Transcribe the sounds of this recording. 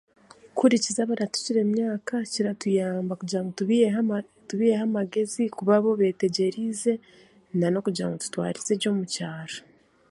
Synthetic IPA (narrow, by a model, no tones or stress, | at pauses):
kuɾicizaβaɾatu̥ciɾe̞mɲaːkaciɾatujaːmbakuɟiɾaŋɡotuβi | tuβijehamaɡe̞zikuβaβo̞βe̞ːte̞ɟe̞ɾize̞ | nano̞kuɟiɾa̰ŋɡo̞tu̥twa̰ːɾizeɟo̞ːmucaːɾa